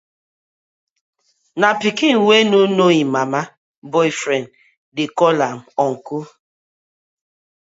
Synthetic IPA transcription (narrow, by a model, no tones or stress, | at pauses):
napikinwenunoimama | bɔjfɾɛnd | dɪkɔlam̩ɔŋ̩ku